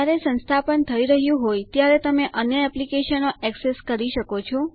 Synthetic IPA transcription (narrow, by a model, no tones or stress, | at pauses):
aɾesə̃nst̪ʰapəɳt̪ʰəiɾəɦjũɦojt̪jaɾet̪əmeʔənjəɛplikeʃənoʔɛkseskəɾiʃəkot͡ʃʰo